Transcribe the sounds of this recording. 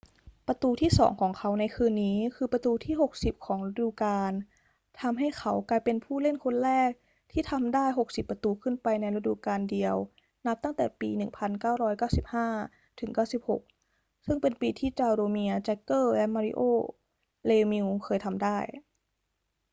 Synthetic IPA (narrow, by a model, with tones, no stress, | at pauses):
pa˧t̪uː˧t̪ʰiː˥˩sɔ̰ː˩˦ŋkʰɔː˩˦ŋkʰa˦˥wna˧jkʰɯː˧nːiː˦˥kʰɯː˧pa˧t̪uː˧t̪ʰiː˥˩ho˨˩k̚si˨˩p̚kʰɔː˩˦ŋɾa˧˥˩duː˨˩kaː˧n | t̪ʰa˧mɦa˥˩jkʰa˦˥wklaː˧jpe˧npʰuː˥˩le˥˩nkʰo˧nɾɛː˥˩k̚ | t̪ʰiː˥˩t̪ʰa˧mdaː˥˩jɦo˨˩k̚si˨˩pːa˧t̪uː˧kʰɯ˥˩npa˧jna˧jɾa˧dṵ˨˩kaː˧ndi˧əw | na˦˥p̚t̪a˥˩ŋt̪ɛ̰ː˨˩pḭː˧nɯ˨˩ŋpʰa˧nkaː˥˩wɾɔː˦˥jkaː˥˩wsi˨˩p̚haː˥˩ | t̪ʰɯ˩˦ŋkaː˥˩wsi˨˩p̚ho̰˨˩k̚ | sɯ˥˩ŋpe˧npiː˧t̪ʰiː˥˩t͡ɕaː˧wɾoː˧mi˧ɐt͡ɕɛ˦˥kːɤː˥˩lɛ˦˥maː˧ɾḭ˧ʔoː˥˩ | leː˧mi˧wkʰɤː˧jt̪ʰa˧mdaː˥˩j